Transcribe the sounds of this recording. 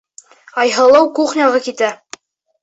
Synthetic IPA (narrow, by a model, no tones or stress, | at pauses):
ɑjɦɤ̆lˠɤwkuχnʲɑʁɤkit̪æ